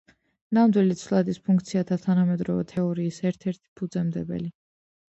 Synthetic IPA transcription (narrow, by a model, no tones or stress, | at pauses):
namd̪wilit̪sʰlˠad̪ispʰuŋkʰt̪sʰiat̪ʰat̪ʰanamɛd̪ɾɔvɛ̰t̪ʰɛɔɾiːsɛɾt̪ʰɛɾt̪ʰi̥pʰud̪zɛmd̪ɛbɛ̰li